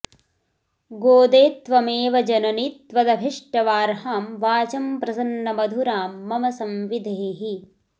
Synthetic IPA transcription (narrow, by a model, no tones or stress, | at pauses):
ɡoːd̪eːt̪ʋɐmeːʋɐd͡ʒɐnɐnit̪ʋɐd̪ɐbʱiʂʈɐʋaːɾhaːmʋaːt͡ʃɐmpɾɐsɐnːɐmɐd̪ʱuɾaːmːɐmɐsɐmʋid̪ʱeːɦi